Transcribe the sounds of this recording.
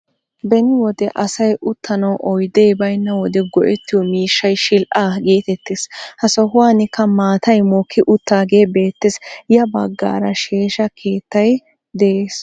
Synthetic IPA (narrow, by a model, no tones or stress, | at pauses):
bɛnɪwɔd̪ɛʔɐsɐjʔʊt̪ʰːɐnɐwʔɔjd̪ejbɐjnːɐwɔd̪ɛɡɔʔɛt̪ːɪjɔmiːʃːɐjʃɪlʔaːɡiːt̪ɛt̪ːeːshɐsɔɦʊwaːnɪkːɐmaːt̪ʰɐjmoːkːɪʔʊt̪ːaːɡe̞ːbe̞ːt̪ːesjɐbɐɡːa̰ːɾɐʃeːʃɐkʰe̞ːt̪ːɐj | d̪ɛʔeːs